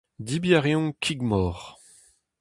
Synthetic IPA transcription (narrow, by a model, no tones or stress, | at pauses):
d̪ibjaʁjɔ̃kʰiɡmɔːʁ